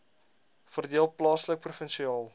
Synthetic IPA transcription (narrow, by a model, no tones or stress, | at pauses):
fərdiəlˠplɑːslək̚prufənsiɑːlˠ